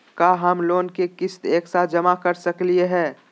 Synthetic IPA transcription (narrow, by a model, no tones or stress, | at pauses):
kaɦɐmloːnkekɪst̪eːksad͡ʒɐmakɐɾsɐklieɦɛː